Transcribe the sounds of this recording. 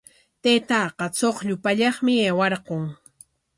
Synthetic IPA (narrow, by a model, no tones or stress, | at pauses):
t̪eːt̪ɑːqɑt͡soχʎʊpaʎɑχmɪeːwɑɾɢoŋ